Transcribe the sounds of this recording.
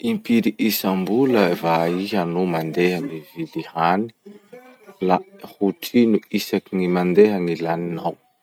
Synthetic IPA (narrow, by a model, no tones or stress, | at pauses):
impiɾiʔisambuləvaiɦanumand̪eɦanivilihani̥ | lahuʈ͡ʂinuisakinimand̪eɦənilaninaw